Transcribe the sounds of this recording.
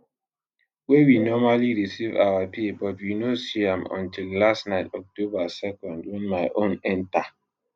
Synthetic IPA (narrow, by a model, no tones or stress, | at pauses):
wewinɔmaliɹisiva̰wapʰibɔtwinosiãmɔ̰̃ntʰillastnaɪtɔk̚tobasɛkɔ̃ndwɛ̃nmaɪʔõnɛ̃nta